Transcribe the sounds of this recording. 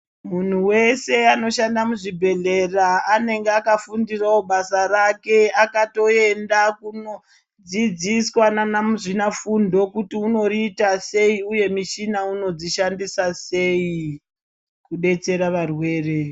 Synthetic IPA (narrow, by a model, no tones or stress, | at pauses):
mun̤uwe̞se̞ano̞ʃandamuʐibʱe̞ɮe̞raːne̞ŋɡeakafundirawoɓasaɾake̞akato̞e̞ndakuno | d͡zid͡ziswananamuʐinafundo̞kutiuno̞riːtase̞iuje̞miʃinauno̞d͡ziʃandisase̞i | kuɗe̞t͡se̞ɾaʋarwe̞ːre̞